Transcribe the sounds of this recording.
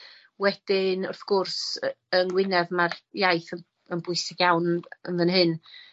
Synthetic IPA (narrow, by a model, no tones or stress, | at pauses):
wɛd̥ɪnʊrθɡ̥ʊrsənɡwɪnɛðmarjajθə | ənbʊɨsɪɡjawnənðənɦɨn